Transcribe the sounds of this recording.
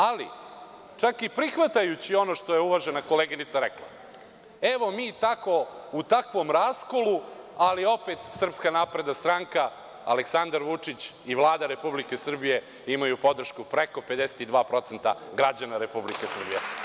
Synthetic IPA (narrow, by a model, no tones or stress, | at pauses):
alḭ | t͡ʂakipɾixʋat̪ajut͡ɕio̞no̞ʂt̪o̞jeuʋaʒenako̞leɡinit̪saɾeklˠa̰ | eʋo̞miːt̪ako̞ut̪akʋo̞mɾaːsko̞lualio̞pe̞t̪sr̩pskanapɾe̞d̪ast̪ɾaŋka | a̰leksand̪aɾʋut͡ʂit͡ɕ | iʋlˠaːd̪aɾe̞publike̞sr̩bije̞ | imajupo̞d̪r̩ʃkupɾeko̞pe̞d̪eset̪id̪ʋaːpɾo̞t̪se̞nt̪a̰ɡɾad͡ʑanaɾe̞publike̞sr̩bḭjḛ